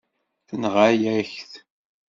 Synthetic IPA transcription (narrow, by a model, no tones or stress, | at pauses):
θənʁajæçθ